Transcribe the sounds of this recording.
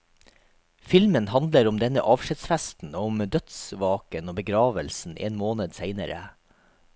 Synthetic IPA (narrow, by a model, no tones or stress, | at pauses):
fɪlmənhɑnd̪ləɾʊmd̪ɛnəʔɑːʋʂɪt̪sfæst̪n̩oːʊmd̪œt̪sʋɑːkənoːbəɡɾɑːʋəlsn̩ʔḛːnmoːnəd̪seɪnə̰ɾə̰